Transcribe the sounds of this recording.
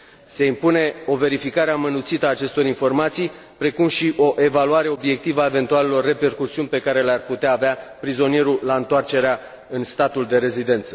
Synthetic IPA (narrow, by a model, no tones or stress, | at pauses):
se̞impune̞o̞ve̞ɾifikaɾeamənut̪sit̪əaːt͡ʃe̞st̪o̞ɾinfo̞rmat̪sij | pɾe̞kumʃiʔo̞ʔe̞valuaɾe̞o̞bje̞k̚t̪ivae̞ve̞nt̪uale̞lo̞rːe̞pe̞rkusiunʲpe̞kaɾe̞learput̪eaːveapɾizo̞nije̞ɾulaɨnt̪oart͡ʃe̞ɾea | ɨnst̪at̪uld̪e̞ɾe̞zid̪e̞nt̪sə̥